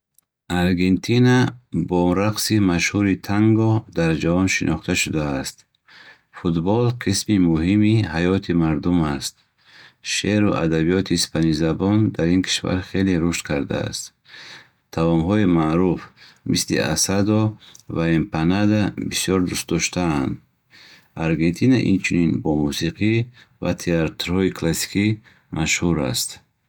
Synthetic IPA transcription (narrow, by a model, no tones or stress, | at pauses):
aɾɡe̞nt̪ʰinabɔɾaqsimaʃhuɾit̪ʰaŋɡɔd̪aɾd͡ʒavɔnʃinʔɔχt̪ʰaʃud̪aːst̪ | fut̪bɔlqʰismimuhimihajɔt̪ʰimaɾd̪umast̪̚ | ʃeɾuʔa̰d̪abijɔt̪ʰiːspʰanizabɔnd̪aɾinkʰi̥ʃva̰ɾχeleɾuʃt̪kʰaɾd̪a̰a̰st̪ | t̪ʰːavɔmɦɔimaɾuf | mislḭʔa̰sad̪ɔvaempʰanad̪abisijɔɾd̪ust̪̚d̪ɔʃt̪ʰaːnd̪ | aɾɡe̞nt̪ʰinaʔḭnt͡ʃʰuninbɔmusiqʰi | vat̪ʰeat̪ɾhɔikʰlasi̥ki | mʔaʃhuɾa̰st̪